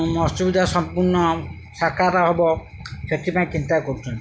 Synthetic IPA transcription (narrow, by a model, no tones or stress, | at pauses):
mɔst͡ʃɔbid̪ʱasɔmpuɾnɔ | sakaɾaɦɔbɔ | pʰeʈʰipãẽt͡ʃint̪akɔɾut͡ʃʰɔnt̪